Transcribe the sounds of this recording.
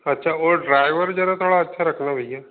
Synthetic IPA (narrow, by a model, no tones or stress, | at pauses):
ətːʃʰaːoːɖɾaːɪʋəɾd͡ʒəɾãt̪ʰoːɽaətːʃʰaɾəkʰnãːbʱəijãː